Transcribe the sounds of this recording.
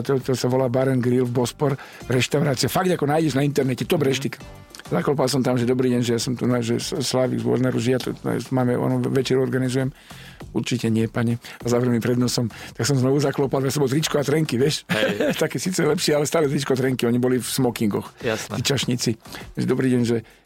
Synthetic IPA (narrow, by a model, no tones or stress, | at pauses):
t̪ɛlt̪ɔlsaʋɔlaːbaɾɛnɡɾilvbɔspɔɾ | ɾɛʃt̪aʊɾaːt͡siafaɡd̪akɔnaːjɟɛʒnaint̪ɛɾnɛcɛt̪ɔbɾɛʃt̪ikḁ | zaklɔpalsɔmt̪amʒɛd̪ɔbɾiːɟɛnʒɛjasɔmt̪unaʒɛsslaːʋḭɡzɔ̰ɾnɛɾuʒijat̪ɔ̰t̪maːmɛɔ̰nɔʋɛt͡ʃɛɾuɔɾɡanizujɛm | uɾt͡ʃicɛɲɪɛpaɲɛazaʋɾɛlimpɾɛd̪nɔsɔmt̪aksɔmznɔʋuzaklɔpaljasɔmbɔlt̪ɾit͡ʃkɔat̪ɾɛŋkiʋɛʃt̪akɛːsit͡sɛlɛpʃɪɛalɛst̪aːlɛt̪ɾit͡ʃkɔt̪ɾɛŋkiɔɲibɔlifsmɔkiŋɡɔxjat̪it͡ʃaʃɲit͡siʒɛd̪ɔbɾiːɟɛnʒɛ